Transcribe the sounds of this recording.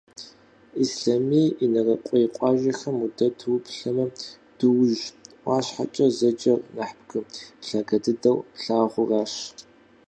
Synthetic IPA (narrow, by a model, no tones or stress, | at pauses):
isɬamiːʔinɐrɐqʷʼɔjɪqʷʼɑːʒɐxɐmudɐtʰwʊpʰɬɐmɐ | d̥ɨwʒwʷɑːɕħa̰t͡ʃʼɐzɐd͡ʒʼɐrnaħpɡɨɬaːɡɐdɨdɐwɬaːʁʷʊraːɕ